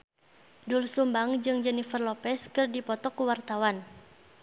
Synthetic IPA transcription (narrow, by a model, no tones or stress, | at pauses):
dulsumbaŋd͡ʒɨŋd͡ʒɛnifərlɔpɛskɨrdipɔt̪ɔkuwart̪awan